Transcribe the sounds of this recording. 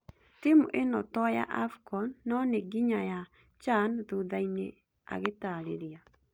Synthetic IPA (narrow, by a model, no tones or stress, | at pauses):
timṵʔenɔtɔja̰ʔafkɔnːɔneɡiɲaja | t͡ʃanðoðainḛ | a̰ɣetaɾeɾia